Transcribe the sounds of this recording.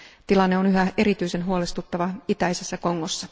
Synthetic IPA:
t̪ilɑnːe̞o̞nyɦæʔe̞ɾit̪yjse̞nɦuole̞st̪ut̪ːɑʋɑit̪æjse̞sːæko̞ŋːo̞sːɑ

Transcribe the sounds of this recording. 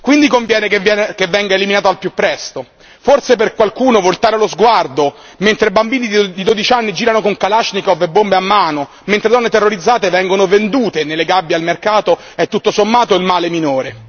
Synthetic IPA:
kwind̪ikoɱvjɛːnekɛkevːɛŋɡaeliminaːt̪oalpjupːɾɛst̪o | forseperkwalkuːnovolt̪aːɾelozɡward̪o | ment̪ɾebambiːnid̪d̪id̪od̪it͡ʃanːid͡ʒiːɾanokoŋkalat͡ʃnikɔvebːombeamːaːno | ment̪ɾed̪ɔnːet̪erːoɾid̪zːaːt̪evɛŋɡonovend̪uːt̪enelːeɡabːjalmerkaːt̪o | ɛt̪ːut̪ːosomːaːt̪oilmaːleminoːɾe

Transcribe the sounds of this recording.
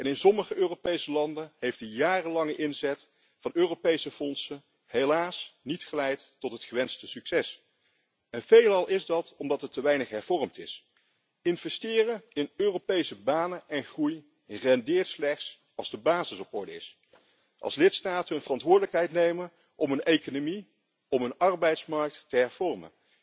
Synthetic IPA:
ɛnɪnsɔməχəʔøːropejsəlɑndəɦejftdəjaːrəlɑŋəʔɪnzɛt | fɑnøːropejsəfɔnsən | ɦelaːsnitχəlɛjtːɔtɦətχəʋɛnstəsyksɛs | ɛnvejlɑlˠɪzdɑtɔmdɑtɦətəʋɛjnəχɦɛɹv̥ɔrmtɪs | ɪnvɛstɪːrəɪnøːropejsəbaːnəʔɛnχruj | rɛndɪːɹtslɛχts | ɑlˠzdəbaːzɪsɔpɔɹdəɪ̰s | ʔɑ̰lˠslɪtstaːtənənvərɑntʋʊːɹdələkɦɛjtnejmə | ʔɔmənejkonomi | ɔmənɑrbɛjtsmɑɹk̚tːəɦɛɹv̥ɔrmə̰n

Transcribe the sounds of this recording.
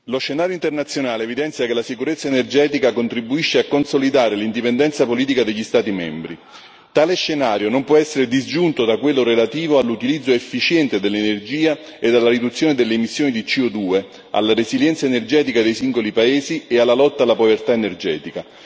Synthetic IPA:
loʃːenaːɾjoint̪ernat̪sjonaːleːvid̪ɛnt̪sjakelasikuɾet̪sːaenerd͡ʒɛːt̪ikakont̪ɾibːuiʃːeakːonsolid̪aːɾelind̪ipend̪ɛnt̪sapoliːt̪̬ikad̪eʎːist̪aːt̪imɛmbɾi | t̪aːleʃːenaːɾjonompwɔɛsːeɾed̪izd͡ʒunt̪od̪akwelːoɾelat̪iːvoalːut̪ilid̪zːoefːit͡ʃjɛnt̪ed̪elːenerd͡ʒiːaed̪alːaɾid̪ut̪sːjoːned̪elːeːmisːjoːnid̪it͡ʃiod̪uːe | a̰lːaɾeziljɛnt̪saenerd͡ʒɛːt̪ikad̪ejsiŋɡolipaeːziealːalɔt̪ːaːlːapovert̪aenerd͡ʒɛːt̪ika

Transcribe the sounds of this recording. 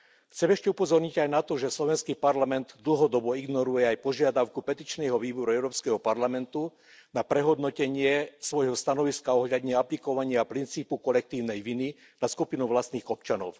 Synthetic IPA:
xt͡sɛmɛʃcɛupɔzɔɾɲiɟajnat̪ɔʒɛslɔʋɛnskipaɾlamɛnd̪d̪l̩ɦɔd̪ɔbɔiɡnɔɾujɛajpɔʒɪad̪aʊkupɛt̪iːt͡ʃnɛɦɔʋiːbɔɾuɛʊɾɔːpskɛɦɔpaɾlamɛnt̪u | napɾɛɦɔd̪nɔcɛɲɪɛsʋɔjɦɔst̪anɔʋiskaɔɦʎad̪ɲɛaplikɔʋaɲɪaːpɾint͡siːpukɔlɛk̚t̪iːʊnɛjʋini | naskupinuʋlast̪niːɣɔpt͡ʃanɔ̰ʊ

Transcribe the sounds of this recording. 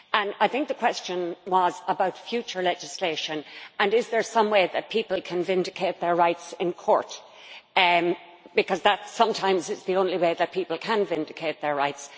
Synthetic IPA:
ə̃naɪθɪ̃ŋk̚ðəkʰw̥ɛst͡ʃə̃nwʌzəbaʊtfjʉt͡ʃə˞lɛd͡ʒɪsleɪʃə̃nə̃nɪzðə˞sʌ̃mweɪðət̚pʰipəl̩ˠkʰə̃nvɪ̃ndɪkʰeɪt̪̚ðə˞ɹaɪtsɪ̃nkʰɔ̰ɹt | b̥ɨkʰʌzðətsʌ̃mtʰãɪ̃mzɪtsðiõʊ̃nliweɪðət̚pʰipəlˠkʰə̃nvɪ̃ndɨkʰeɪt̪̚ðə˞ɹaɪts

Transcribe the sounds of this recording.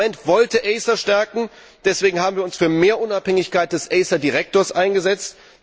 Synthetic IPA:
ɛntv̥ɔltəʔɛɪsaʃtɛɐkŋ̩ | d̥ɛsv̥eːɡŋ̩haːbm̩viɐʊnsfyːɐmeːɐʔʊnaphɛŋɪçkaɪt̚d̥ɛsʔɛɪsadiʁɛk̚toːɐsʔaɪnɡəzɛt͡st

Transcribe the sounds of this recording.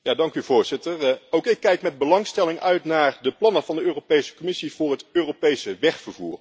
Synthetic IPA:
jaːdɑŋkyvʊːɹz̥ɪtərowkɪkːɛjkmɛd̚bəlɑŋstɛlɪŋœɥtnaːɹdəplɑnəvɑndəøːropejsə̥komɪsiv̥ʊːɹɦətøːropejsəʋɛχfəɹvṵːr

